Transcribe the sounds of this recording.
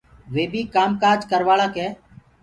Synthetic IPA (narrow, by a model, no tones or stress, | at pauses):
ʋeːbiːkaːmkaːɾd͡ʒkəɾʋaːɭaːkeː